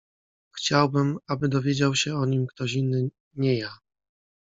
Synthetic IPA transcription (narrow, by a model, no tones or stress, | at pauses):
xt͡ɕawbɘmabɘd̪ɔvʲjed͡ʑawɕɛɔɲimkt̪ɔɕinːɘ | ɲɛja